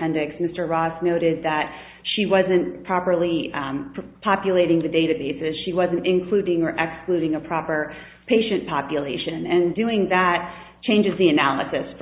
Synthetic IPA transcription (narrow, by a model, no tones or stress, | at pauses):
ɛ̃ndɪksmɪstə˞ɹɔsnoʊɾɪd̪̚ðɨt̚ | ʃiwʌzɨ̃npʰɹ̥ɑpə˞lˠi | pʰɑpjɨleɪɾɪ̃ŋðɨdeɪɾɨbeɪsɨsʃiwʌzɨ̃ntɨ̃nkʰl̥ʉɾɪ̃ŋə˞ʔɛksklʉɾɪ̃ŋɨpʰɹ̥ɑpə˞ | pʰeɪʃɨ̃npʰɑpjɨleɪʃɨ̃nɨ̃ndʉɪ̃ŋðət̚ | t͡ʃʰẽɪ̃nd͡ʒɨzðiɨnælˠə̰sɨsf